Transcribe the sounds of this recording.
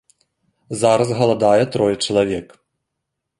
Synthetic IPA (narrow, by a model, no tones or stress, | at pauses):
zaɾɐsɣɐlˠad̪ajɛt̪ɾɔjɛt͡ʂɐlˠavʲɛk